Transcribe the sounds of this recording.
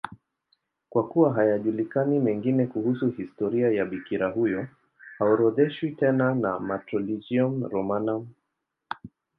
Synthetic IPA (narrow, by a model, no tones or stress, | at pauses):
kwakuwaɦajaʄulikanimɛŋɡinɛkuhusuhistɔɾiajaɓikiɾahujɔ | haɔɾɔðɛʃwitɛnanamatɾɔlid͡ʒiɔnɾɔmanam